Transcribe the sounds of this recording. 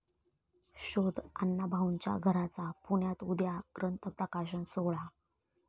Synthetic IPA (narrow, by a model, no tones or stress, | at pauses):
ɕod̪ʱa̰nːabʱaʋɲt͡ɕja̰ɡʱəɾat͡sapuɳjat̪ud̪jakɾənt̪əpɾəkaɕənsoɭa